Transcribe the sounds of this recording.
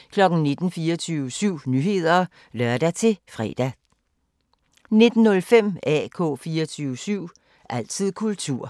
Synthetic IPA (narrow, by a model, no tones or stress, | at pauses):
kʰlɒ̽ɡ̥n̩ne̝d̥n̩fiːɐt͡sʰyːʊəsyʊ̰nyhe̝ð̞̰ˠɐː | lɶɐ̰d̥æt͡sʰe̝fʁɛ̰d̥æ | ne̝d̥n̩nɔ̽lfem̰ɛ̰ːkʰɔ̰̽ːfiːɐt͡sʰyːʊəsyʊ̰ | ʔæl̰t͡sʰið̰ˠkʰult͡sʰuɐ̰